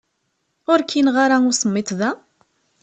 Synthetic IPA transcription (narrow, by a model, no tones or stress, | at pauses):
ʊɾkʰinʁaɾaʊɾsˤəmːit̪ˤðæ